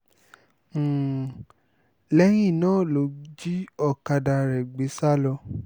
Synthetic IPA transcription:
lɛ˦j̃ĩ˦˨nãː˦˨lo˨˦d͡ʒi˦ɔ˧˨ka˧da˧ɾɛ˨ɡ͡be˨˦sa˦lɔ˧

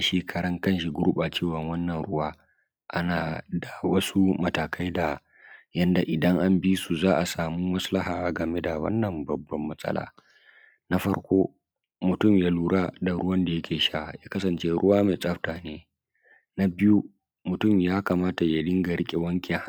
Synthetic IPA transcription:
ʃi˦kʰɐ˨ɾɐ˦ŋkɐ˦nʃi˨ɡʊ˦ɾu˦ɓa˨t͡ʃeː˦wɐ˨ŋwɐ˦nːɐ˨nɽʊ˦waː˦ | ʔa̰˦naː˨da˨wɐ˦su˦mɐ˨taː˨kʰa˦jda˨ | jɐ˦nda˨ʔɪ˨dɐ˦ŋʔa˦mbi˦su˨zaː˦ʔa˨saː˨mu˦mɐ˦slɐ˦haː˨ɡɐ˨me˦da˨wɐ̰˦nːɐ˨mbɐ˨bːɐ˦mːɐ˦sʼɐ̰˦lʔa̰ː˨ | na˦ɸɐ̰˦ɽkʷoː˦ | mʊ˨tʊ˦˨mjaː˦luː˦ɽa˦da˨ɽʊ˦wɐ˦nda˨jɐ˦kʲʰeː˨ʃa˦˨jaː˦kɐ˦sɐ˨nt͡ʃe˦ɾʊ˦waː˦ma˨jsʼɐ˦ɸtaː˨neː˦ | na˦bɪ˦ju˦ | mʊ˨tʊ˦˨mjaː˦kaː˨maː˦ta˨ja˨lɪ˦ŋɡa˨ɽɪ˦kʲʼe˨wɐ˦ŋkʲʰʼɛ˨h

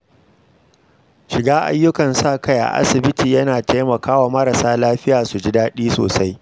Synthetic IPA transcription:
ʃɪ˨ɡaː˦ʔa̰˦jːʊ˦kɐ˨nsaː˦˨kʰɐ˦jʔa̰˨ʔa̰˦sɪ˨bɪ˦tiː˨jɐ˦naː˨tʰa˦jmɐ˨kaː˦waː˨mɐ˦ɾa˨saː˦laː˦ɸɪ˦jaː˨su˨d͡ʒɪ˦daː˦ɗiː˦so̰ː˨sa˦j

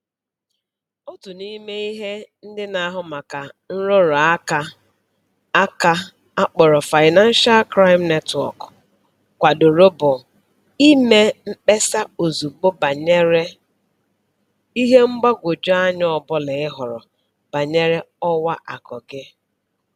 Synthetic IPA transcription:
o˦tu˨ni˦me˦i˦ɦe˦n̩˦dɪ˦na˨˦ɦʊ˦ma˨ka˨n̩˦ɾʊ˦ɾɔ˨a˦ka˨ | a˦ka˦ | a˦k͡pɔ˨ɾɔ˨fa˨ɪ˨na˦n̩˦ʃa˦lkɾa˦ɪ˦mne˦twɔ̰˨k | kʷa˨dʊ˨ɾo˦bʊ˨ | i˦me˦m̩˦k͡pe˦sa˦o˨zu˨ɡ͡bo˦ba˨ɲe˦ɾe˦ | i˦ɦe˦ŋ͡m̩˦ɡ͡ba˦ɡʷo˨d͡ʒa˦ɲɔ˦ɔ˨bʊ˦lɪ˨ɪ˦ɦʊ˨ɾɔ̰˨ | b̥a˨ɲe˦ɾe˦ɔ˦wa˦ʔa˨kɔ˨ɡe˦

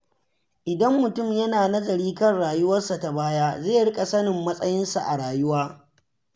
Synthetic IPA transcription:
ʔɪ˨dɐ˦mːʊ˨tʊ˦˨mjɐ˦naː˨nɐ˦zɐ˨ɽiː˦kɐ˦nɽaː˨jʊ˦wɐ˦rsa˨ta˨baː˦jaː˦zeː˦˨ɽɪ˦kʼa˨sɐ˦nɪ˨mːɐ˦sʼɐ˦jɪ˦nsa˨ʔa˨ɽaː˨jʊ˦waː˦

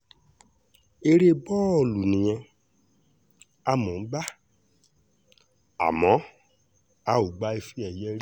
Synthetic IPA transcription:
e˧ɾe˦bɔ˦ɔ˦˨lu˨nĩ˨j̃ɛ̃˧ | a˧mɔ̃˨˦ɡ͡ba˦ | a̰˨mɔ̃˨˦ | a˧u˨ɡ͡ba˨˦i˧fi˦ɛ˦˨jɛ˦ɾ

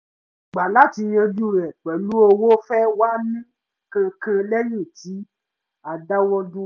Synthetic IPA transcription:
ɡ͡ba˨la˨˦˨ti˧j̃ã˧d͡ʒu˦˨ɾɛ˨k͡pɛ˨lu˦o˧wo˦fɛ˦wa˦mĩ˦ | kã˧kã˧lɛ˦jĩ˦˨ti˨˦ | a˨da˦wɔ˦dũ˦

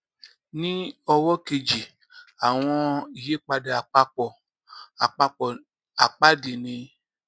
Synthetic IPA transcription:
nĩ˦ɔ˧wɔ˦ke˧d͡ʒi˨ | a˨w̃ɔ̃˧i˨je˨˦k͡pa˧da˨a˨k͡pa˧k͡pɔ˨ | a˨k͡pa˧k͡pɔ˨ | a˨k͡pa˦di˨nĩ˧

